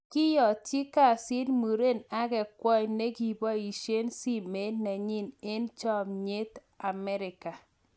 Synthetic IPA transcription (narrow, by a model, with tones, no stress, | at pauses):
kɪ˦jɔ˨ti˦ka˦˨sɪ˦nmu˨ɾe˦˨na˦kɛ˨kwɔ˦jne˦ki˨bɔ˦i˨ʃe˦nsi˦me˨˦na˨ɲi˦ne˦nt͡ʃɔ˦˨mɲe˦t | a˨mɛ˦ɾɪ˨ka˨